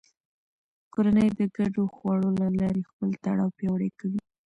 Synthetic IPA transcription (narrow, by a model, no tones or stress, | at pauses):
koɾanəjd̪əɡaɖoxwɑɽolalɑɾexpəlt̪aɽɑwpjɑwɽekawi